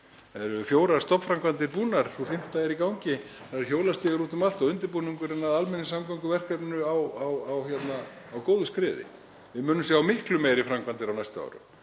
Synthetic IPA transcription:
ɛɾʏfjoːwɾaɾ̥st̪ɔpfɾamkvant̪ɪɾpuːnaɾ̥θuθɪm̥t̪aɛɾikawɲcɪ | θaðɛɾ̥çjoːwlast̪ɪːɣɪɾuːt̪ʏmalt̪ɔɣʏnt̪ɪɾpuːniŋkʏɾɛnːaðalmɛnːɪsamkawŋkʏvɛr̥kvɛpnʏawawawhçjɛt̪naː | wkoːwðʏskɾɪːðɪ̰ | vɪmʏːnːʏms̬jaawmɪhklʏmeːjɾɪfɾamkvant̪ɪɾawnajst̪aa̰ːwɾʏ̰m

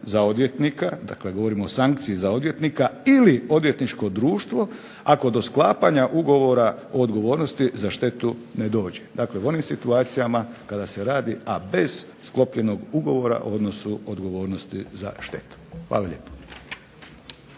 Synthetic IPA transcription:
zaod̪ʋje̞t̪nikad̪a̰kle̞ɡo̞ʋoɾimoosaŋkt̪siizao̞d̪ʋje̞t̪nikailio̞d̪ʋjet̪nit͡ʃko̞d̪ɾuːʃt̪ʋo̞ | ako̞d̪o̞sklˠaːpaɲaʔuɡo̞ʋo̞ɾaoːd̪ɡo̞ʋo̞ːɾnost̪izaʃt̪e̞t̪une̞d̪o̞ːd͡ʑed̪aːkle̞uo̞nimsit̪uaːt̪sijamakad̪ase̞ɾaːd̪iabe̞z̥ | sklˠo̞pʎe̞no̞ɡuɡo̞ʋo̞ɾa̰ʔo̰o̞d̪no̞suod̪ɡo̞ʋo̞ːɾnost̪iza̰ʃt̪e̞̰t̪u̥xʋa̰ːlˠaʎeːpo̥

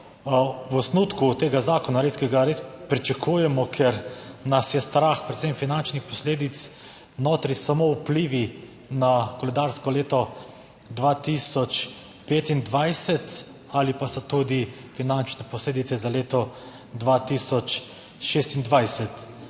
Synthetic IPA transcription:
wɔsnut̪kut̪eːɡazaːkɔnaɾeskɛɡaɾeːspɾit͡ʃakʰuːjɛmɔkʰɛɾnasjɛst̪ɾaxpɾɛt̪semfinant͡ʃnixpɔsleːd̪it̪s | noːt̪ɾisamoupliːʋi | nakɔlɛd̪aɾskɔleːt̪ɔ | d̪ʋaːt̪isɔt͡ʃ | peːt̪ind̪ʋajsɛt̪ | alipasɔt̪ud̪ifinant͡ʃnɛpɔsleːd̪it̪sɛzaleːt̪ɔ | d̪ʋaːt̪isɔt͡ʃ | ʃeːst̪ind̪ʋajsɛt̪

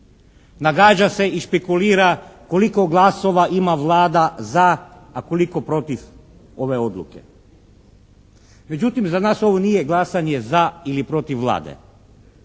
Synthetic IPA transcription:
naɡaːd͡ʒase̞ʔiʃpekuliːɾako̞liko̞ɡlˠaso̞ʋaʔimaʋlˠaːd̪azaːko̞liko̞pɾo̞t̪if | o̞ʋe̞o̞d̪lˠṵke̞̰ | me̞d͡ʑut̪imzanaːso̞ʋo̞niːjeɡlˠasaɲe̞zailipɾo̞t̪ifʋlˠa̰ːd̪ḛ

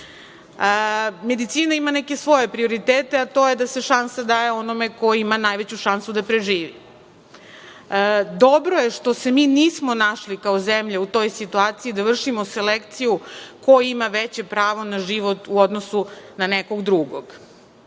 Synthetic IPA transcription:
əme̞d̪it̪siːnaimaneke̞sʋo̞je̞pɾio̞ɾit̪eːt̪eat̪o̞je̞d̪ase̞ʃansad̪ajeo̞nome̞ko̞imanajʋet͡ɕuʃansud̪apɾeʒiːʋi | d̪o̞bɾo̞je̞ʃt̪o̞se̞miːniːsmo̞naʃlikaozemʎeut̪o̞jsit̪uaːt̪siid̪aʋr̩ʃimose̞lekt̪sijuko̞jimaʋet͡ɕepɾaːʋo̞naʒiʋo̞t̪uod̪nosunaneko̞ɡd̪ɾuɡoɡ

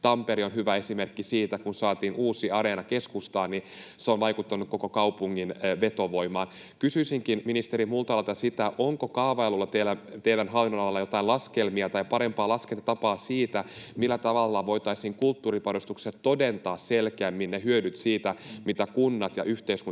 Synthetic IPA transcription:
t̪ɑmpeɾionɦyʋæe̞simerkːisiːt̪ækunsɑːt̪iːnuːsiɑɾenɑkeskust̪ɑːnni | seonʋɑjkut̪ːɑnːukko̞kokɑwpuŋːinʋet̪oʋo̞imɑːn | kysyisiŋkinminist̪eɾimult̪ɑɑlt̪ɑsit̪æʔoŋkokɑːʋɑelulːɑt̪elːæt̪eidænɦɑlːinːonɑlɑlːɑjo̞t̪ɑilɑskelmiɑt̪ɑipɑɾempɑːlɑskelt̪ɑt̪ɑpɑːsiːt̪æmilːæt̪ɑʋɑlːɑʋo̞it̪ɑisiːŋkult̪ːuːripɑnost̪ukset̪t̪odent̪ɑːsselkeæmːinneɦyødyt̪siːt̪æmit̪ækunːɑt̪jɑ̰ʔyht̪eisku

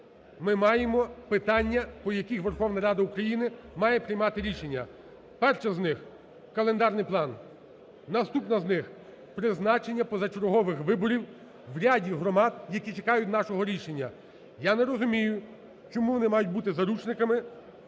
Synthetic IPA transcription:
mɪmɑjemɔpɪt̪ɑnʲːɐpɔjɐkʲixʋerxɔwnɐɾɑd̪ɐukɾɐjinɪmɑjɛpɾɪjmɑt̪ɪɾʲiʃenʲːɐ | pɛrt͡ʃɐznɪx | kɐlˠend̪ɑrnɪjplˠɑnː | ɐst̪upnɐznɪx | pɾɪznɑt͡ʃenʲːɐpɔzɐt͡ʃeɾɔɦɔʋɪxʋɪbɔɾʲiw | ʋɾʲadʲiɦɾɔmɑd̪jɐkʲit͡ʃekɑjʊtʲnɑʃɔɦɔɾʲiʃenʲːɐ | janeɾɔzʊmʲijʊ | t͡ʃɔmuʋɔnɪmɑjʊt̚ʲbut̪ɪzɐɾut͡ʃnɪkɐmɪ

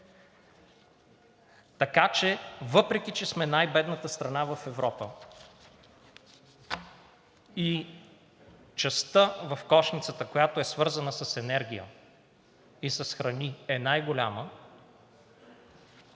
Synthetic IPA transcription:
t̪ɐkat͡ʃɛvɤpɾɛk̟it͡ʃɛsmɛnajbɛd̪nət̪əst̪ɾɐnavɐfɛvɾɔpə | i | t͡ʃɐst̪əvɐfkɔʃnit̪sət̪əkojat̪oɛsvɤɾzɐnəsɐsɛnɛɾɡ̟ʲijə̰ | isɐsxɾɐniɛnajɡolʲa̰mə

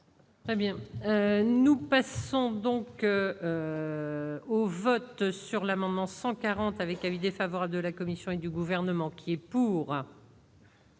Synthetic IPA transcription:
t̪χɛbjɛ̃ønupasɔ̃d̪ɔ̃køø | ovɔt̪syʁlamɑ̃d̪mɑ̃sɑ̃kaʁɑ̃t̪avɛkavid̪efavɔʁabləd̪əlakɔmisjɔ̃ed̪yɡuvɛʁnəmɑ̃kʲʰiɛpuːʁ

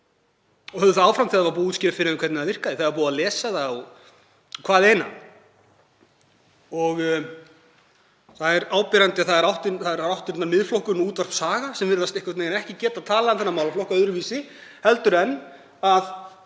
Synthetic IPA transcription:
ɔhœððɪθaaːwfɾamtθiːaðavaɾpuːut̪scɪːɾafɪɾɪðʏmkʰvɛt̪naðvɪr̥kaðɪθaðvaɾpuːaðlɛːsaðaɔ | ɔkʰv̥aːðɪeːjna̰ | ɔɣ | θaðɛɾaːwpɛɾant̪ɪaθaðɛɾawht̪ɪθaðɛɾawht̪ɪt̪naɾmɪðflowhkʏnuːt̪var̥fsaːɣasɛmvɪɾðast̪ehkvaɾt̪nejanɛhcɪcɛːt̪aðt̪ʰaːlaðanθɛnːamaːwlaflowhkaœðɾʏɾviːsɪ | hɛlt̪ʏɾɛnː | að

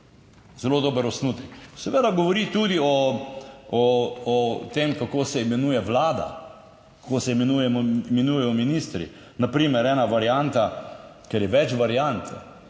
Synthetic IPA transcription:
zɛloːd̪oːbəɾɔsnut̪ɛksɛʋeːd̪aɡɔʋɔɾit̪ud̪iɔ | ɔɔt̪emkakoːsɛimɛnujɛʋlaːd̪a̰ | kḁkoːsɛmɛnujɛmɔimɛnujɛjɔminist̪ɾḭ | napɾiːmɛɾɛːnaʋaɾjant̪a | kɛɾjɛʋɛt͡ʃʋaɾjant̪ʰ

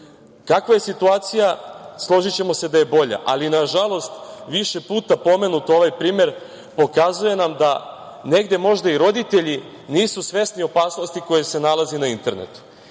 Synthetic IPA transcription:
kakʋaje̞sit̪uaːt̪sijaslˠo̞ʒit͡ɕe̞mo̞se̞d̪aje̞bo̞ʎa̰ʔalinaʒalˠo̞st̪ʋiʃe̞puːt̪apo̞me̞nut̪o̞ʋajpɾiːme̞ɾ | po̞kazuje̞namd̪a | ne̞ɡd̪e̞mo̞ʒd̪aiɾo̞d̪it̪e̞ʎi | niːsusʋe̞snio̞paːsnost̪iko̞jese̞nalazenaint̪e̞ɾne̞̰t̪u̥

